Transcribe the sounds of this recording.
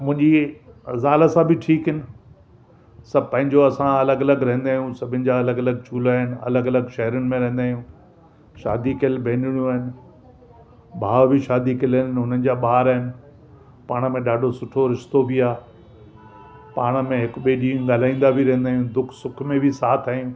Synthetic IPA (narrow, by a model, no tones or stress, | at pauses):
mʊ̃ɦɪ̃ɲd͡ʑizaːləsãbɪʈʰiːkɦɪnɪ̆ | sɐbpɐ̃ɦɪ̃ɲd͡ʑoɐsãɐləɡɐləɡɾɛ̃ɦɪ̃nd̪aːɦjũsɐbʱɪnɪ̆d͡ʑaɐləɡɐləɡ̚t͡ɕuːlaːɦɪnɪ̆ɐ̰ləɡɐləɡʃɐɦɾənɪ̆mẽɾɐ̃ɦɪ̃n̆d̪aːjũː | ʃa̰ːd̪ikɪlbʱẽːnɪɽ̃ijũaːɦɪnɪ̆ | bʱaːʋbʱiʃaːd̪ikɪlɪnɦʊnənd͡ʑaːɓaːɾaːɦɪnɪ̆ | paːɽ̃ə̆mẽɗaːɖʱosʊʈʰoɾɪʃt̪obʱiaː | paːɽ̃ə̆mẽɦɪkʊɓeːɗĩːɠaːl̤aːĩːn̆d̪abʱiɾɐ̃ɦnd̪aːjũd̪ʊkʰsʊkʰmẽbʱɪsaːt̪ʰaːjũ